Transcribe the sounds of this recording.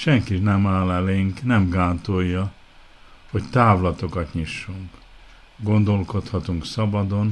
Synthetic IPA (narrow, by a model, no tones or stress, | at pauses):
ʃɛŋkiʃnɛmaːlɛleːŋknɛmɡaːnt̪ojːɒ | hoct̪aːvlɒt̪o̞kɒt̪ɲiʃːuŋk | ɡo̞nd̪o̞lko̞t̪hɒt̪uŋksɒbɒd̪o̞n